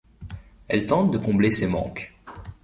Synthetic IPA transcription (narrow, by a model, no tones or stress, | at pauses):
ɛlt̪ɑ̃t̪d̪əkɔ̃blesemɑ̰̃k